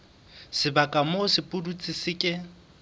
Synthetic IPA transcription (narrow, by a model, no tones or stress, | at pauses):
sɪbakʼamosɪpʼʊdut͡sʼɪsɪkʼɪ